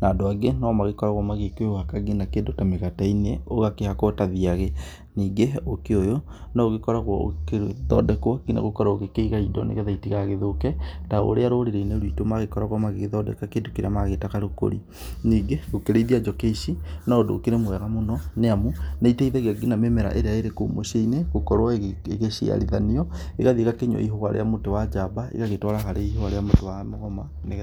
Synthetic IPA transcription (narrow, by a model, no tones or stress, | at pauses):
naːdoaɡenamaɣekɔɾaɣwɔmaɣekeohakaɡinakeːndotameɣataineoɣakehakɔtaðiaɣe | niːɡeokeojo | naoɣekɔɾaɣwɔo̰keeðɔ̰dɛkwɔkina̰ɣokɔɾaoɣekeiɣaidɔ̰nḛɣeðaitiɣaɣeðokɛtao̰ɾeaɾoɾeɾeineɾwitomaɣekɔɾaɣwamaɣeɣeðɔdɛ̰kakeːndokeɾamaɣetakaɾoko̰ɾḭ | niːɡeɣokeɾeiðiad͡ʒɔkeiʃinaodo̰ːkeɾemwɛɣamonɔneamuneiteiðaɣaɡinamemɛɾa̰ʔeɾeaeɾeko̰moʃeineɣokɔɾwaeɣeʃia̰ɾiðaniɔ | eɣaðiekakeɲwɔ̰iɦoaɾḛamotowad͡ʒabaḭɣaɣetwɔɾahaɾeihoaɾeamotowamoɣɔma | ne